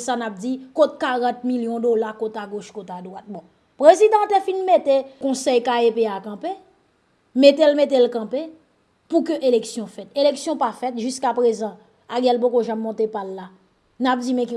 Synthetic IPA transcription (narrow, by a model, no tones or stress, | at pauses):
sanap̚d͡zikot̪̚kaʁɑ̃t̪̚miljɔ̃dolakot̪aɡoʃkotad̪wat̪̚bɔ̃ | pʁezid̪ãt̪efinmetekɔ̃sɛjkaepeakɑ̃pe | met̪elmet̬elkãpe | pukøʔeleksjɔ̃fɛt̪eleksjɔ̃pafɛt̪ʒyskapɣezɑ̃ | aɡɛ̃lp̬okoʒamːɔ̃t̪epalːa | nap̚d͡zimɛ̃ki